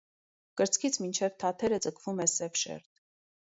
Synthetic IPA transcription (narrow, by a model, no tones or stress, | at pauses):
kəɾt͡sʰkʰit͡sʰmint͡ʃʰɛvt̪ʰɑt̪ʰɛɾəd͡zəkʰvumɛsɛvʃɛ̰ɾt̪̚